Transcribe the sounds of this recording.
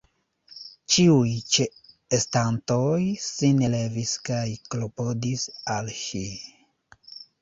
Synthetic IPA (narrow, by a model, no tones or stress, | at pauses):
t͡ʃiujt͡ʃeː | stantojsinele̞viskajklopo̞disalʃi